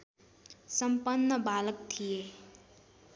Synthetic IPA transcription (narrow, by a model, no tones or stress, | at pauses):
sʌmpənːəbalək̚t̪ʰije